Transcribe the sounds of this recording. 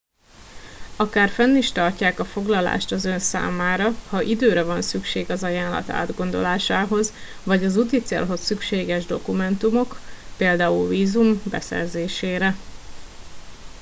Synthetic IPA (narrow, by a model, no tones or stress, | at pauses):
ɒkaːrfɛnːiʃt̪ɒrcaːkɒfo̞ɡlɒla̰ːʃt̪ɒzø̞nsa̰ːmaːɾɒhɒʔid̪øːɾɛvɒnsykʃeːɡɒzɒjaːnlɒ̰t̪a̰ːd̪ɡo̞nd̪o̞̰laːʃaːɦo̞z | vɒɟɒzut̪it̪sḛːlɦo̞sːykʃeːɡɛʒd̪o̞kumɛnt̪umo̞kpeːld̪aːulviːzumbɛ̰sɛ̰rzeːʃeːɾɛ